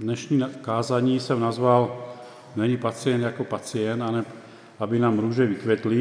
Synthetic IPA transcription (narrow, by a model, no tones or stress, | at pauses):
d̪ɲɛʃniːkaːzaɲiːsɛmnazʋal | mɛɲɛpat͡sɪɛnd̪jakɔpat͡sɪɛnd̪anɛ | abinaːmɾuːʒɛʋit̪ʋɛt̪li